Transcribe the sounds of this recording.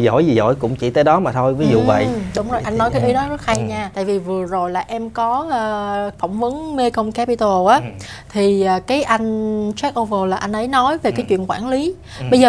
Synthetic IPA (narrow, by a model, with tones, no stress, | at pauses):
zo̰˧˩˨jzi˨˩zo̰˧˩jkʊ̰˧˥ŋ͡mt͡ɕḭ˧˩t̪əː˨˦jɗɔ˨˦maː˨˩t̪ʰo˧jvi˨˦z̰və̰˧˨jɗʊ˨˦ŋ͡mzo˨˩jʔa˧jŋ̟nɔ˨˦jkaː˨˦jʔi˨˦ɗɔ˨˦zə˦˥t̚ha˧jɲaː˧t̪a̰ː˧˨jvi˨˩vɨ˨˩əzo˨˩jlaː˨˩ʔɛ˧mkɔː˨˦˧fɔ˧˩wŋ͡mvə˨˦ənme˧kə˧wŋ͡mka˧˦˥pi˧t̪o˧ʔaː˨˦ | t̪ʰi˨˩əː˨˩kaː˨˦jʔa˧jŋ̟t͡ɕɛ˦˥k̚ʔo˧və˧laː˨˩ʔa˧jn̟ʔə˨˦jnɔ˨˦jve˨˩kaː˨˦jt͡ɕwḭ˧˨ənkwaː˧˩nli˨˦ | ɓə˧jzəː˨˩